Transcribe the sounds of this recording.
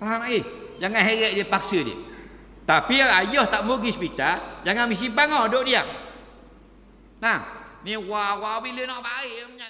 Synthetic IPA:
paɦamaʔid͡ʒaŋanɦeɣɛʔdiəpaksədḭ | t̪apiajɔht̪aʔmoɡispit̪ad͡ʒaŋanmis̬ibaŋadoʔdia̰ŋ | lanĩwaʔwaʔbilənɔʔbaiʔɲa

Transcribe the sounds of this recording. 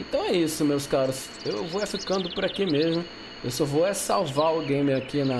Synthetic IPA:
ẽt̪ɐ̃w̃ɛisʊmewskaɾʊs | ewvoɛfikɐ̃nd̪ʊpʊɾakimezmʊ | ewsɔvowɛsawvaʊɡẽj̃mɪakinɐ

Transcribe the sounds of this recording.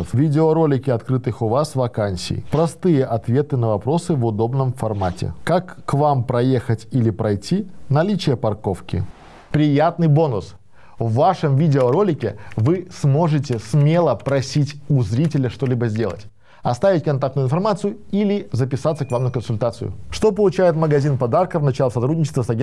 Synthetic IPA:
fvʲidʲɪoɾo̞lʲɪkʲɪɐt̪kɾɨt̪ɨxʊvasvɐkanʲsʲɪ̰jpɾɐst̪ɨjəʔɐt̪vʲe̞t̪ɨnəvɐpɾo̞sɨvʊd̪o̞bnəmfɐrmatʲɪ̰kakːvampɾɐjexətʲilʲɪpɾɐjtʲinɐlʲit͡ɕɪjəpɐrko̞fkʲɪ̰ | pɾʲɪjat̪̚nɨjbo̞nʊs | vːaʂəmvʲidʲɪoɾo̞lʲɪkʲɪvɨsmo̞ʐɨtʲɪsmʲe̞lˠəpɾɐsʲitʲʊzɾʲitʲɪlʲəʂt̪olʲibəzʲdʲe̞lˠə̰tʲ | ɐst̪avʲɪtʲkɐnt̪ak̚t̪ʊjʊɪnfɐrmat̪sɨjʊilʲɪzəpʲɪsat̪səkvamnəkənsʊlʲt̪at̪sɨ̰jʊ̰ʂt̪o̞pəlˠʊt͡ɕæjɪt̪məɡɐzʲinpɐd̪arkəvnɐt͡ɕalˠəsɐt̪ɾudʲnʲɪt͡ɕɪ̥st̪vəsɐɡʲe

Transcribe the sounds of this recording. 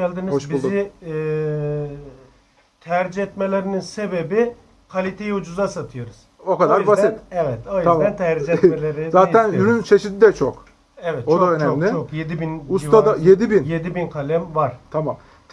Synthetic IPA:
ælʲd̪inizozbilˠzˠi | t̪ʰæɾd͡ʒɛt̪melʲeɾininse̞be̞bi | kʰalʲit̪ʰejiud͡ʒuzasat̪ʰɯjo̞ɾuz̥okad̪aɾbasɛt̪ɛvɛt̪oj̪aænt̪ʰæɾd͡ʒɛelʲeɾizaːænhyɾynt͡ʃʰeʃid̪id̪ɛt͡ʃʰok | ɛvɛt̪̚t͡ʃodd̪aønɛomlʲɪokjed̪ibinust̪ad̪ajed̪ibinje̞d̪ibinkʰalʲɛmvaɾ̥t̪ʰamam

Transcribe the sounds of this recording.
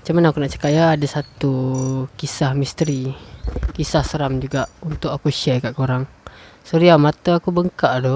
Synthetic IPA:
mat͡ʃamanaakunaʔt͡ʃə̥kaʔjaːdasat̪ukisahmist̪əɾi | kisahsəɾamd͡ʒuɡaʔunt̪ʊʔakuʃɛkaʔkoɾaŋ | səɾiamat̪əakubəŋkaʔdɔ

